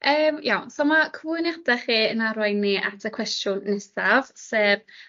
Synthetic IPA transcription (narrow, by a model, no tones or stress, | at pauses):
əːmjawsomakʰvɨnjadɛχiːənaɾajnːiʔatʰəkʰw̥ɛstjʊnːɛsav̥seːv